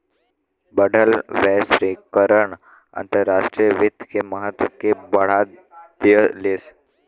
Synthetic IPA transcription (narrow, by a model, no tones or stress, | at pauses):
bəɖʱəlʋɛːsɾikəɾəɳ | ɐ̰̃nt̪əɾːaːʃʈɾiəʋɪt̪keməɦət̪wəkebəɽ̤a | d̪jəles